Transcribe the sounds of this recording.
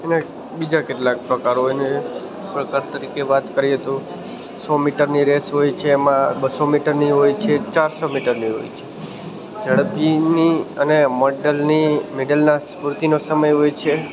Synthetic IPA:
ena | bid͡ʒakeʈlak̚pɾəkaɾɦojne | pɾəkaɾt̪əɾikeʋat̪kəɾiɦət̪ũ | sɔmiʈəɾniɾesɦojt͡ʃʰeːmãbəsomiʈəɾniɦojt͡ʃʰet͡ʃaɾsomiʈəɾniɦo̰jt͡ʃʰe | d͡ʒəɽəpiniəneməɖəlnimeɖəlnaspuɾt̪inosəməjɦojt͡ʃʰe

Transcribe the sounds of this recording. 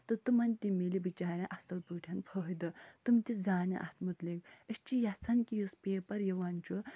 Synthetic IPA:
t̪ɐt̪umɐnt̪ʲimilibit͡ʃaːɾʲãʔɐst̪ɐlpuːʈʰɐnpʰəɦd̪ɐt̪umt̪ʲid͡zaːnɐ̰ʔɐ̰t̪ʰmut̪leɡɐʃt͡ʃijɐt͡sʰɐnkijuspʲeːpɐɾjɐʋant͡ʃu

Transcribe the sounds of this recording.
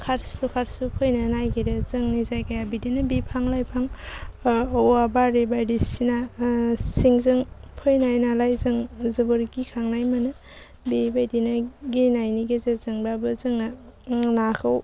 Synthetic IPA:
kʰaɾslukʰaɾsupʰɯjnanajɡiɾez̥ɯŋnizajɡajabidinabipʰaŋlajpʰaŋ | oabaɾibajdisina | siŋzɯŋpʰɯjnajnalajzɯŋzɯbuɾɡikʰaŋnajmanɯ | bibajdinaɡinajniɡezazɯŋbabɯzɯŋanakʰɯw

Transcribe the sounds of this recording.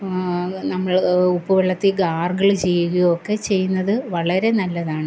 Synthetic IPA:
nɐmːɐɭupːuʋɐɭːɐt̪ːiɡaːrɡɐɭt͡ɕejːuɣɐjokːe̞t͡ɕe̞jːunːɐðɨʋɐɭɐɾe̞nɐlːɐðaːɳɨ

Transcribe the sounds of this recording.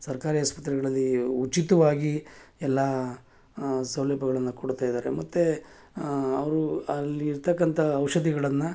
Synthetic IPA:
sɐɾkaːɾiaːspɐt̪ɾɛɡɐɭɐlːiut͡ʃit̪ɐʋaːɡiɛlːaː | sɐwlɛːbʱɐɡɐɭɐnːɐkoɽut̪aːjd̪aːɾe̞̰mɐt̪ːe | ɐʋɐɾuɐlːiːɾt̪ɐkːɐnt̪ʰɐːʋwʃɐd̪iɡɐɭɐnːu

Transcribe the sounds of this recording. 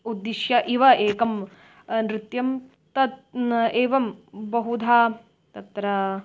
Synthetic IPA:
ud̪ːiʃjɐʔiʋɐeːkɐm | nɾɪt̪jɐm | t̪ɐt̪eːʋɐmbɐɦud̪ʱaː | t̪ɐt̪ɾɐ

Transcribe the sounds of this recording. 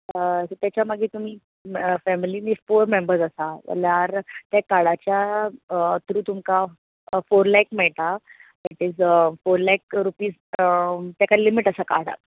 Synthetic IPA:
sət̪jat͡ɕjaməɡiːt̪um̤iː | fɛmiliːnifoɾmembəɾzəsa̰laɾt̪jakaɽat͡ɕja | t̪ɾuːt̪umka | foɾlajkmɛɭʈ̪a | iʈid͡zfoɾlajkɾupiːs | t̪jakalimiʈəsaka̰ɽa̰t̪

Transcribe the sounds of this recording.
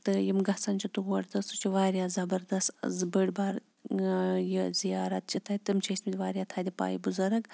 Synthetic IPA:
t̪ɨjimɡɐht͡sɐnt͡ʃʰit̪uɣɐɽt̪ɐst̪ut͡ʃʰiʋaːɾijaːzɐbɐɾd̪ɐst̪ɐ̰zbəɽʲbaːɾ | jizijaːɾɐt̪̚t͡ʃʰit̪ʰɐjt̪ɨmt͡ʃʰɐismid̪ʲʋaːɾjaːt̪ʰaːd̪ʲipa̰ːjibuzɐɾɐɡ

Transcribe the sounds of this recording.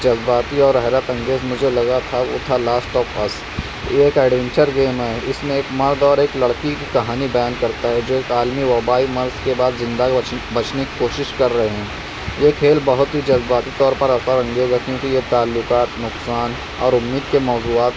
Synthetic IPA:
d͡ʒɐzbaːt̪iɔːɾɛɦɾət̪ɐ̃ŋɡeːzmʊd͡ʒʱelɐɡat̪ʰaʊ̰t̪ʰalaːsʈːɔːpɐs | eːkɛːɖʋɛ̃nt͡ʃəɾɡeːmɦɛɪsmẽeːkmɐɾd̪ɔːɾeːklɐɽkikikɐɦaːnibɐjaːnkɐɾt̪aɦɛd͡ʒoːeːkaːlmiʋɐbaːimɐɾzkebaːd̪zɪ̃nd̪abɐt͡ʃneki̥koːʃɪʃkɐɾːɐɦeɦɛ̃ː | jekʰeːlbɐɦʊt̪ɦid͡ʒɐzbaːt̪it̪ɔːɾpɐɾɐsaɾɐ̃ŋɡeɡakjõːkijet̪aːlːʊkaːt̪nʊqksaːn | ɔ̰ːɾʊmːiːd̪kemɔːzuaːt̪

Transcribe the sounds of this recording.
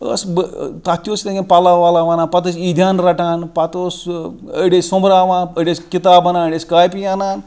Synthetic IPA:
ə̰sbt̪at̪jost̪ẽɡenpalaʋalaʋanaːnpat̪̬əsid̪ʱʲjaːnɾɐʈaːnpat̪osə̰ɽʲessomɾaːʋaːnəɽʲeskit̪aːbɐnaːnəɽʲeskaːjpijanaːn

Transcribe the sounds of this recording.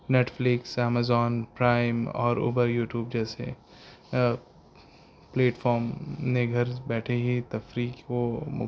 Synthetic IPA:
neːʈflɪksɛːmazɔːnpɾaːɪmɔ̰ːɾṵːbəɾjuːʈjuːbd͡ʒɛːsḛ | pleːʈfʰɔːɾmneɡʱɐɾbɛːʈʰeɦit̪ɐfɾiːkkomʊ̰

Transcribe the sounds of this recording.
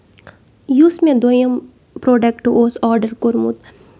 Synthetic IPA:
juːsmẽd̪ojəm | pɾoːɖek̚ʈːuʔoːsɔːɾɖəɾkoɾmṵt̪

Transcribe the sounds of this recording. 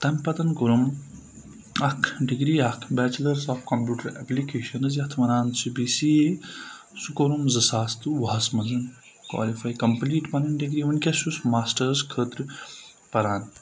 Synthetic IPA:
t̪ɐmʲpɐt̪ɐnkoɾum | ɐkʰɖiɡɾiːɐkʰbʲɛːt͡ʃlɐɾsaːfkɐmpʲjuːʈɐɾɛ̰plikeːʃɐnɨzjɐt̪ʰʋɐnaːnsibisie | sukoɾumzɐsaːst̪ɨʋɐɦɐsmɐnzɐn | kwa̰ːlifajkɐmpliːʈpɐnɐnɖiɡɾiːunʲkʲɐsusmaːsʈɐɾskʰəːt̪ɾɨ | pɐɾaːn

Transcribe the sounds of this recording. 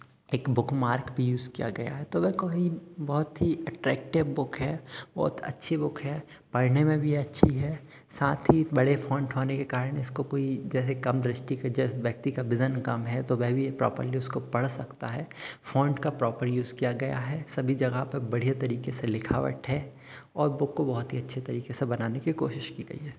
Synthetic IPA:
eːkbʊkʰmaːɾkbʱijuːzkija̰ɡɐja̰ɦɛt̪oʋɛkoibɔɦʊt̪ɦiɛʈɾɛ̰ːk̚ʈɪʋbʊkʰɦɛːbɔ̰ːt̪ɐ̰tːʃʰibʊkʰɦɛː | pɐɽnemẽbʱiɐtːʃʰiɦɛː | saːt̪ʰɦibɐɽefʰɔ̃ːɳɖɦoːnekekaːɾəɽ̃ɪskokoːid͡ʒɛːs̬ekɐmd̪ɾɪsʈiked͡ʒɛːsʋjɐk̚t̪ikabɪzənkɐmɦɛt̪oʋɛːbʱipɾɔ̰ːpə̰ɾliʊskopɐɽ̤sɐkt̪aɦɛːfɔ̃ːɳɖkapɾɔːpəɾjuːzkijaɡɐja̰ɦɛːsɐbʱid͡ʒɐɡapɐɾbɐɽ̤ijat̪ɐɾiːkeselɪkʰa̰ːʋə̰ʈɦɛ | ɔːɾbʊkːobɐɦʊt̪ɦiɐtːʃʰet̪ɐɾiːkesebɐnaːnekiko̰ːʃɪʃkiɡɐ̰ḭɦɛː

